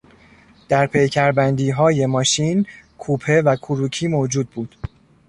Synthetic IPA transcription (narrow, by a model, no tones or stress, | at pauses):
d̪̥æɾpʰejcʰæɾbænd̪iːɦɒːje̞mɒːʃiːnkʰuːpʰe̞vækʰuɾuːcʰiːmoːd͡ʒuːd̪̚buːd̪̥